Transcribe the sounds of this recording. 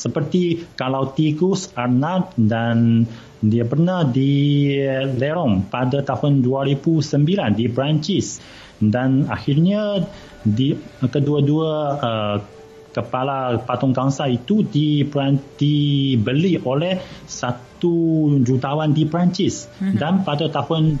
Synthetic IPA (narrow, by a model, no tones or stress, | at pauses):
səpərt̪ikalawt̪iɡusarnat̪̚dan | diapərnahdi | leɾɔmpadat̪ahʊnduaɾibusəmbilandipɾaɲt͡ʃɪs | danaxirɲã | dikəduaduaə | kəpalapat̪ɔŋkaŋsait̪udibɾad̥ibəliʔolɛhsat̪ud͡ʒut̪awandipɾaɲt͡ʃɪsdanpadat̪ahʊn